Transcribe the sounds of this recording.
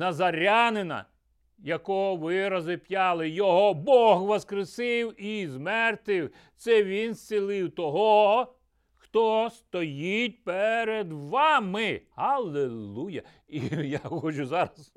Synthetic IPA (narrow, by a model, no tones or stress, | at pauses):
nɐzɐɾʲanenɐ̰ | jɐkɔɦɔʋɪɾɐzɪpjɑlˠɪjɔɦɔbɔɣʋɔskɾesɪwizmɛrt̪ɪw | t̪sɛʋʲinst͡sʲilˠɪwt̪ɔɦɔ | xt̪ɔst̪ɔjitʲpeɾed̪ʋɑmɪhɐlˠellˠujɐ̰ | ijaxɔt͡ʃʊzɑɾɐs